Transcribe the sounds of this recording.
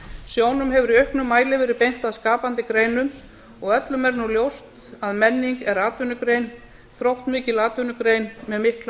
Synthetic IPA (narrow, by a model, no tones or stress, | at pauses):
sjoːwnʏmɦɛvʏɾiœɥhknʏmːaːjlɪvɛːɾɪpejn̥t̪aðskaːpant̪ɪkɾeːjnʏm | ɔɣœt̪lʏmɛɾnuljowst̪ | aðmɛnːiŋkɛɾaːt̪vʏnʏkɾejn | θɾowht̪mɪːcɪlaːt̪vʏnʏkɾejnmɛðmɪhkla